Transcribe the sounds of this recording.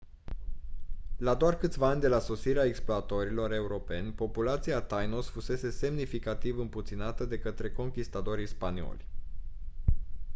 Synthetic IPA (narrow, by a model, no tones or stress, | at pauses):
lad̪oarkɨt̪sʲvaanʲd̪e̞laso̞siɾeaeksploat̪o̞ɾilo̞ɾe̞uɾo̞pe̞nʲpo̞pulat̪siat̪ajnosfuse̞se̞se̞mnifikat̪ivɨmput̪sinat̪əd̪e̞kət̪ɾe̞ko̞ŋkʲist̪at̪o̞ɾijspanio̞̰lʲ